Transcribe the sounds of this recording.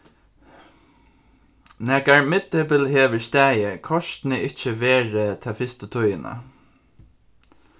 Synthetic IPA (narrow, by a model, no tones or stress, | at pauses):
nɛɡaɹmɪt̪ːɪpəlheːʋəɹst̪æːjəkʰɔʃt̪nəʔɪt͡ʃəʋeːɹət̪ʰɛfɪst̪ət̪ʰʊjəna̰